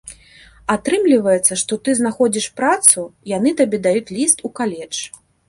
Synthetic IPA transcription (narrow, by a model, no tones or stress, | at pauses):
at̪ɾɨmlʲivɐjɛt̪sːɐʂt̪ɔt̪ɨznaxɔd͡zʲiʂpɾat̪sujan̪ɨt̪abʲɛd̪ajut͡sʲlʲist̪ukalʲɛt͡ʂ